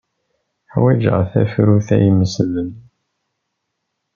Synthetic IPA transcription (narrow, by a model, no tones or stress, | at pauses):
ħwæd͡ʒə̰ʁθæ̰fɾuθæ̰jəmːəsðən